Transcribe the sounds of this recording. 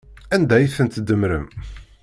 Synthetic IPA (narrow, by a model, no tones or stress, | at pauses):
ænd̪æjəθənt̪d̪əmɾə̰m